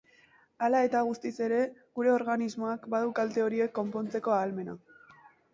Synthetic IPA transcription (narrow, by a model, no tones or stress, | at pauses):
alae̞t̪aɣ̞ust̪ise̞ɾe̞ɣuɾe̞o̞ɾɣanizmo̞akbaðukalt̪e̞o̞ɾie̞kːo̞mpo̞nt͡se̞ko̞aːlme̞na